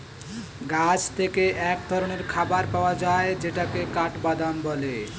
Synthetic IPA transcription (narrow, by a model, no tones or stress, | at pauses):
ɡad͡ʑt̪ʰekeʔɛk̚d̪ʱɔɾoɽ̃eɾkʰabaɾpaoad͡ʑaed͡ʑeʈakekaʈbad̪ʱambɔle